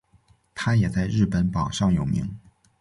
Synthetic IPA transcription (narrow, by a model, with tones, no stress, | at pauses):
t̪ʰa˥jɛ˨˩t͡sa˥˧ɪɻɻ̩˥˩pə˧˥npɑ˨˩ʊʂɑ˥˩ŋjo˨˩ʊmḭ˧˥ŋ